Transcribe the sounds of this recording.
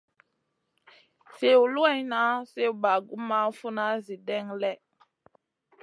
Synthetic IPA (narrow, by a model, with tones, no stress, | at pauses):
se˦u˨lu˦e˦jna˦se˦u˨ba˨ɡu˦ma˦fu˦na˦zi˨dɛ˦ŋlɛ˦˨